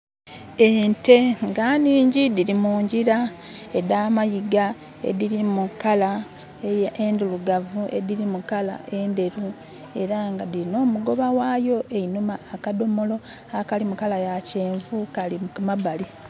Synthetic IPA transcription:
e̞ːnte̞ŋɡaniːɲɟidiɾimuːɲɟiɾa | e̞daːmajiɡa | e̞̰diɾimukala | ejenduluɡavue̞̰diɾimukala̰ʔe̞nde̞ɾu | e̞ɾaŋɡadiɾino̞ːmuɡo̞βawajo̞ʔeinumaːkado̞mo̞lo̞ | akalimukalajace̞ːɱvukalimabali

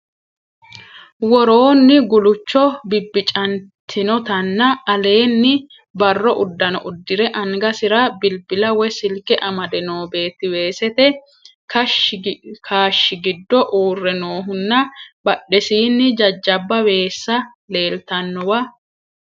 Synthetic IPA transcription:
wɔɾo̞ːnːɪɡʊlʊt͡ʃːɔbɪbːɪt͡ʃʼɐnt̪ʰːɪnɔt̪ɐnːɐːle̞ːnːɪ | bɐrːɔʔʊd̪ːɐnɔ̰ʔʊd̪ːɪɾɛʔɐŋɡɐsɪɾɐbɪlbɪlɐwɛsɪlkɛʔɐmɐd̪ɛnoːbe̞ːt̪ːɪwe̞ːsɛt̪ɛ | kɐ | kʰaːʃːɪɡɪd̪ːɔʔuːrːɛno̞ːɦʊnːɐb̥ɐɗːɛsiːnːɪd͡ʒɐd͡ʒːɐbːɐwe̞ːsːɐ | le̞ːlt̪ɐnːɔwɐ

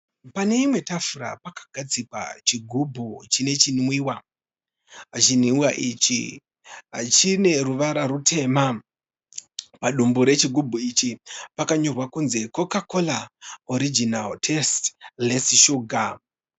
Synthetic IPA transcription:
pane̞imwe̞tafuɾa̰pakḁɡ̥ʱad͡zikwa̰t͡ʃiɡʱubʱut͡ʃine̞t͡ʃinmwiwa | at͡ʃiniuwaʔit͡ʃḭ | ɦa̰t͡ʃine̞ruʋaɾaɾutʰe̞ma | paɗumbuɾe̞t͡ʃiɡʱubʱuit͡ʃipakaɲorwakunze̞ko̞kakolaoɾid͡ʒinaltʰestlesiʃuɡʱa

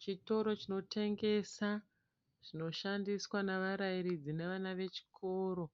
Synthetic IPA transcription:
t͡ʃito̞ɾo̞t͡ʃino̞tʰe̞ŋɡe̞sa | ʐ̥ino̞ʃandiswaneʋaɾajiɾid͡zine̞ʋanaʋe̞t͡ʃi̥kʰo̞ːɾo̞

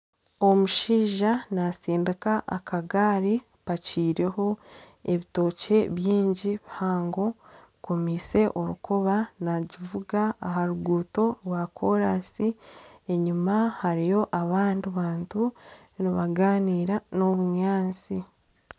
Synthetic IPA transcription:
o̞muʃiːʒanasiːndekaʔakʰaɡaːɾi | paciːɾe̞ho̞ | e̞βito̞ːce̞βjiːɲɟiβihaːŋɡo̞ | ko̞mise̞ʔo̞ɾukoβanaɟivuɡaːɦaɾuɡuːto̞ɾwakʰo̞ɾasie̞ɲumahaɾijo̞ʔaβaːndiβaːntu | niβaɡaːniːɾano̞βuɲaːnt͡si

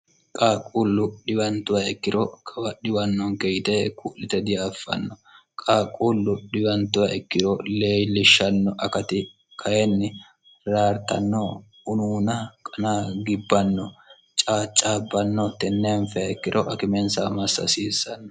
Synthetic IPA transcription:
kʼaːkʼuːlːʊɗɪbɐnt̪ʊwaɛkːɪɾɔkʰɐwɐɗɪbɐnːɔŋkɛjɪt̪ɛkuːlːɪt̪ɛd̪ɪjaːfːɐ̰nːɔ | kʼaːkʼːulːʊɗɪbɐnt̪ʊwɐɛkːɪɾɔleːjlːɪʃːɐnːɔʔɐkɐt̪ɪ | kʰɐjɛnːɪ | ɾaːɾt̪ɐ̰nːɔ | ʊnuːnɐkʼɐnaɡɪbːɐnːɔ | t͡ʃʼaːt͡ʃʼːaːbːɐnːɔt̪ɛnːenfɛɐɛkːɪɾɔʔɐkɪmɛnsamɐsːɐ̰siːsːɐnːɔ

